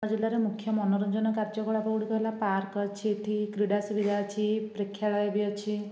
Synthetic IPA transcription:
d͡ʒilaɾemukʰjɔmɔnɔɾɔnd͡ʒɔnɔkaɾd͡ʒɔkɔɭapɔɽikɔɦelapaɾkɔt͡ʃʰiet̪ʰikɾiɽasubid̪ʱat͡ʃʰipɾekʰːjaɭɔjbiɔt͡ʃʰi

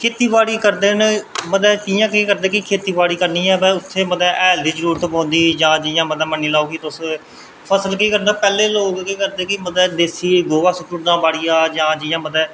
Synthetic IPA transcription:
kʰeːt̪iːbaːɽiːkəɾd̪eːnməd̪ɛːkijãːkiːkəɾd̪ẽːkɪkʰeːt̪iːʋaːɽiːkəɾniːɛːbɛ̃ʊt̪ʰːeːməd̪ɛːʔɛːld̪iːd͡ʒəɾuːɾət̪põːnd̪iːd͡ʒãːd͡ʒɪjãːməd̪ɛːmənːiːlaːoːkit̪ʊs | pʰəsəlkiːkəɾd̪aːpɛːleːloːɡkiːkəɾd̪ẽːkɪməd̪ɛːd̪eːsiːɡoːʋaːsəkɾʊd̪ãːbaːɽiːaːd͡ʒãːd͡ʒɪjãːməd̪ɛː

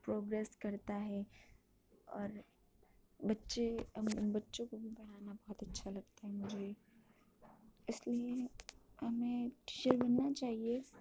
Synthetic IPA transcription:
pɾoːɡɾeːskɐɾt̪aɦɛ | ɔ̰ːɾ | bɐtːʃembɐtːʃõkobʱibɐɽ̤aːnabɔːɦːt̪ɐtːʃʰalɐɡ̚t̪aɦɛmʊd͡ʒʱe | ɪslieɦɐmẽʈiːt͡ʃəɾbɐnːat͡ʃaːɦie

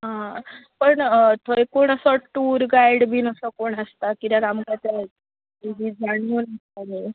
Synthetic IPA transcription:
ɦãpəɳt̪ʰəjkoɳ̃əsɔʈuːɾɡaiɽbʱiːnəsəkoɳəst̪akit̪aɾamɡat̪ja | id͡ʑid͡zaɽunəst̪ani

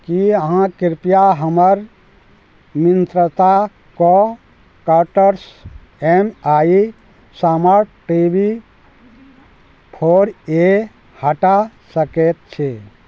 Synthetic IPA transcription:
kiəɦãkiɾpijaɦəməɾ | mint̪ɾət̪a | kɔ | kəɾʈəɾs | emai | saməɾʈibi | pʰoːɾe | həʈasəket̪̚t͡ʃʰe

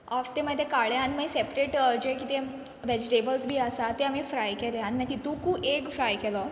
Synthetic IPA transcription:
aft̪eməd̪ʱːekaɭjãnməjsepɾeʈd͡ʑekit̪ẽ | ʋɛd͡ʑʈebəlsbʱiːəsat̪eamifɾajkeleãnmə̃t̪it̪ũkuːʔekfɾajkelo

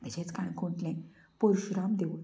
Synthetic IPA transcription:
t̪əɕẽt͡skãɽ̃kʰõɳʈlɛ̃ | poɾɕɾamd̪eʋ

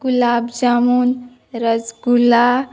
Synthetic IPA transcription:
ɡulabd͡ʒamun | ɾəd͡ʒɡula

